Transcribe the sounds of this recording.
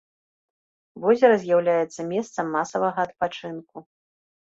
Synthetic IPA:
vɔzʲɛɾɐzʲjawlʲajɛt̪sɐmʲɛst̪sɐmːasɐvɐɣɐːt̪̚pat͡ʂɨnku

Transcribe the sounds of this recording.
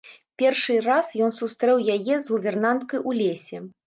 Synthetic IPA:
pʲɛrʂɨrasjɔnsust̪ɾɛwjajɛzlubʲɛrnant̪̚kɐjʔulʲesʲɛ

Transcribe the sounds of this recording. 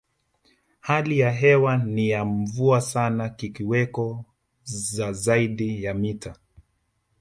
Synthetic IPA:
halijaɦɛwanijaɱvuasanakikiwɛkɔ | zazaiɗijamita

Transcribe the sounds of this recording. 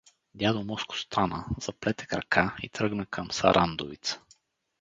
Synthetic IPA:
d̪ʲjad̪omɔskʊ̥st̪anəz̥ɐplɛt̪ɛ̥kɾɐ̰kʰaḭt̪ɾɤɡnəkʰɐmsɐ̰ɾʔand̪ovit̪sə̥

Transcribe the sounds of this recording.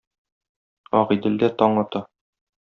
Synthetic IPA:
ɒʁid̪ɘ̆ld̪æt̪ɒɴɑt̪ɤ

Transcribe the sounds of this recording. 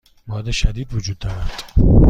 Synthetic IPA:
mɒːd̪eʃæd̪iːd̪vod͡ʒuːd̪ːɒːɾæd̪̥

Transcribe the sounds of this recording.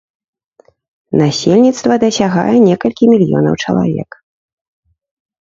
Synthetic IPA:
nasʲɛlʲnʲit̪st̪vɐd̪ɐsʲaɣa̰jɛnʲɛkɐlʲkʲimʲilʲjɔ̰nɐ̰wt͡ʂɐ̰lˠa̰vʲɛ̰k

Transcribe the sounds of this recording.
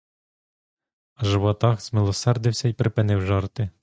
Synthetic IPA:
ɐʒɪwɔt̪ɑxz̥mɪlˠɔsɛrd̪ɪwsʲɐipɾɪpɪnɪwʒɑrt̪ɪ

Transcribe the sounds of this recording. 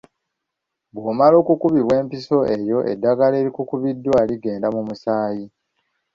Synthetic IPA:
βwoːmalo̞ːkukuβiβwe̞ːmpiso̞ʔe̞jo̞ʔḛdːaɡale̞ːɾikukuβidːwaːliɡe̞ːndamumusaːji

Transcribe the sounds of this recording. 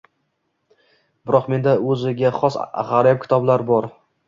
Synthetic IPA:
b̥ɪɾɒqme̞nd̪aɵzɪɡʲaχɒsa̰ʁaɾap̚kʲʰɪ̥t̪ʰɒblaɾbɒɾ

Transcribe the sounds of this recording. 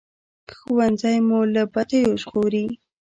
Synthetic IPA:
kxʊwanzajmolapat̪ajoʃɣoɾi

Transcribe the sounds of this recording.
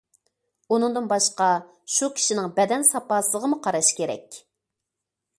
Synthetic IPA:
unɨŋd̪ɨnbɑʃqɑ | ʃukʲʰi̥ʃinɪŋbɛd̪ɛnsɑpɑːsɨlˠəʁəmuqʰɑɾɑʃkʲʰeɾɛ̰kʲ

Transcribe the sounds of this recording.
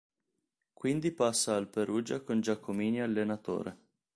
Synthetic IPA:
kwind̪ipasːaːlpeɾuːd͡ʒakond͡ʒakʰːomiːnialːenat̪o̰ːɾe

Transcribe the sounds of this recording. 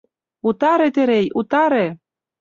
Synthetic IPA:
ut̪ɑɾet̪eɾejut̪ɑɾe

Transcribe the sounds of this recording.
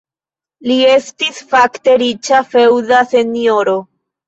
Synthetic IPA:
lie̞stisfakte̞ɾit͡ʃafe̞wdase̞nio̞ɾo

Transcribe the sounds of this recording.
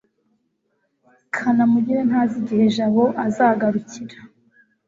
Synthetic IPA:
kʰanamuɟiɾenhaːziɟihe̞ʒaβoʔazaɡaɾuciɾḁ

